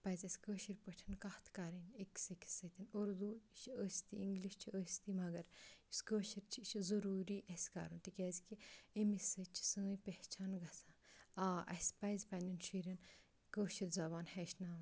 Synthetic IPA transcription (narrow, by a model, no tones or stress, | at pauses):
pɐzʲɐsʲkəːʃiɾʲpəʈʰinkɐht̪ʰkaɾinikʲsɨkʲi̥sɨt̪inoɾd̪uʃəsʲt̪iiŋɡliʃt͡ʃʰiəːsʲt̪imɐɡɐɾisʲkəːʃiɾt͡ʃʰiʃʰzɐɾuːɾiːʔɐsʲka̰ɾunt̪ikʲɛːzkiemisɨt͡ʃʰi̥sɨːjpeht͡ʃaːnɡɐsaaːʔɐ̰sʲpɐjzʲpɐnʲd̪inʃiɾʲɐn | kəːʃiɾʲzɐbaːnhɛʃnaː